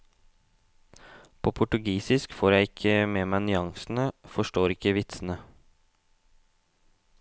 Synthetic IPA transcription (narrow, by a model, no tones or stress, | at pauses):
pʰoːpʰʊʈʉɡiːsɪskfoːɾjæɪɪkʰəmeːmænʏɑŋsn̩əfɔʃʈoːɾɪkəʋɪt̪sn̩ə